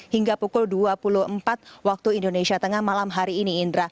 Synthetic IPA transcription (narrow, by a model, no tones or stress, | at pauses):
hiŋɡapukʊlduapulʊhəmpat̪̚wak̚t̪uindonesiat̪əŋahmalamɦaɾiːniːndɾa